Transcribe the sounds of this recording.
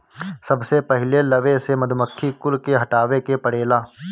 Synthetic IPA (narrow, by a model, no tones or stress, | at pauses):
sɐbsepɛɦɪlelɐʋesemɐd̪ʱməkʰːikʊlkeɦɐʈaːʋekepɐɽeːlaː